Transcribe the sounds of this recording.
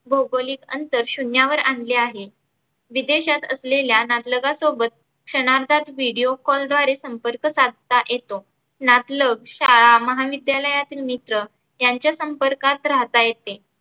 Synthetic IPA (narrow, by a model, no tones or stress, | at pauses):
bʱowbəliːkə̰nt̪əɾɕunjaʋəɾaɳleaɦe | ʋid̪eɕat̪ə̰sleljanat̪ləɡasobət̪̚ | kʂəñaɾd̪ʱat̪ʋiɽijokɔld̪ʋaɾesəmpəɾkəsad̪ʱt̪aʔjet̪o | nat̪ləɡɕaɭaməɦaʋid̪jaləjat̪iːlmit̪ɾə | jaɲt͡ɕjasəmpəɾkat̪ɾat̪ajet̪e